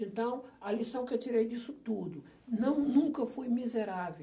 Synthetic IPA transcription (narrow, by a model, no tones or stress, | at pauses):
ẽnt̪ɐ̃w̃ɐlisɐ̃w̃kɪewt̪iɾejd̪isʊt̪ud̪ʊ | nɐ̃w̃nũŋkɐfojmizeɾave